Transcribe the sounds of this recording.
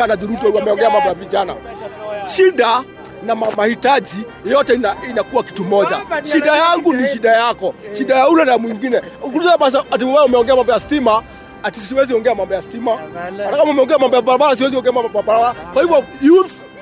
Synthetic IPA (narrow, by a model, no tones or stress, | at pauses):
anad͡ʒuɾutiaamɛɔŋɡɛamambɔjaviʄana̰ | ʃiɗa | namamahitaʄi | jɔtɛinainakuwaki̥tumɔʄa̰ʃiɗajaŋɡuniʃiɗajakɔʃiɗajaulɛnamwiŋɡinɛuk̬uluzɛaɓas̬aat̬imɔwaamɛɔŋɡɛamambɔjastima | atisiwɛziɔŋɡɛamambɔjastimaatakamamɛɔŋɡɛamambɔjaɓaɾaɓalas̬iwɛziɔŋɡɛamambɔbaabaɾaɓaakwahivɔjuθ